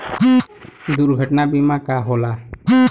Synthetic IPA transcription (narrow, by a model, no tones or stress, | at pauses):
d̪uɾɡʱəʈnabimakaɦɔla